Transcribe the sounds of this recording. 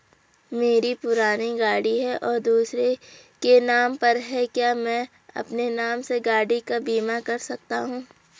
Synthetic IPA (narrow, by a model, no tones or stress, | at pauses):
meːɾipʊɾaːniɡaːɽiɦɛʔɔːɾd̪uːsɾe | kenaːmpɐɾɦɛkjaːmɛ̃ː | ɐ̰pnenaːmseɡaːɽikabiːmakɐɾsɐk̚t̪aɦũː